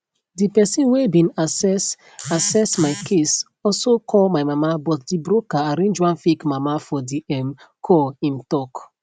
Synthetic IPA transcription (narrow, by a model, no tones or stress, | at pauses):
dipɛsĩnwebĩnasɛs | asɛsmaɪkʰes | ɔsokʰɔlmaɪmamabɔtdibɾokaaɾẽnd͡ʒwãnfikmamafɔdiɛmkʰɔlĩm̩tɔk